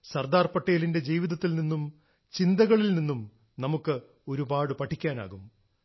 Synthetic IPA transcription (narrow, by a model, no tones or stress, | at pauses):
sɐrd̪aːrpɐʈːejlinde̞d͡ʑiːʋiðɐt̪ːilninːum | t͡ɕind̪ɐɣɐɭilninːum | nɐmukːɨ | o̞ɾubaːɽɨpɐʈʰːikʲːaːna̰ːɣum